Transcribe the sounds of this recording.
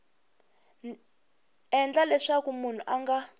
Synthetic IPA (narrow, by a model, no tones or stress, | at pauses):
ɛnd͡ɮalɛʂakumun̤uʔaŋɡa